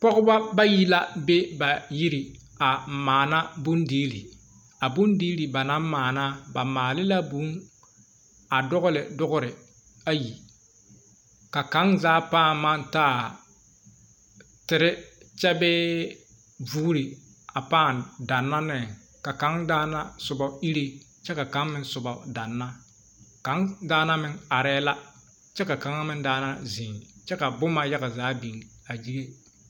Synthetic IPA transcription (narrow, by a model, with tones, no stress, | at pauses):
k͡pɔ˦ɣʊ˦ba˦ba˦ji˦la˦be˦ba˨ji˦ɾi˨ | a˨m̩˨maː˨na˦bo˦ndiː˦li˨ | a˨bo˦ndiː˦li˨ba˨na˦m˦maː˨na˦ba˨maː˨lɪ˦la˦bu˦ŋ | a˨dʊ˦ɣʊ˦lɪ˨dʊ˦ɡʊ˦ɾɪ˨ | a˦ji˨ | ka˨ka˨˦ŋzaː˨˦paː˦˨ma˦n˦taː˦˨ | tɪ˨ɾɪ˦ | t͡ʃɛ˦bɛ˦ | buː˦ɾɪ˨ | a˨paː˦˨nda˨nːa˦nɛ˦˨ | ka˨ka˨˦ŋdaː˦na˦sʊ˨ba˨i˦ɾe˦ | t͡ʃɛ˦ka˨ka˨˦ŋmɪ˦n˦sʊ˨ba˨da˨nːa˦ | ka˨˦ŋdaː˦na˦mɪ˦ŋa˨ɾɛː˦la˦ | t͡ʃɛ˦ka˨ka˨˦ŋa˦mɪ˦ndaː˦na˦zi˨ŋt͡ʃɛ˦ka˨bʊ˦ma˦ja˦ɣa˨zaː˨˦bi˨n˨a˨d͡ʒi˦ɡe˦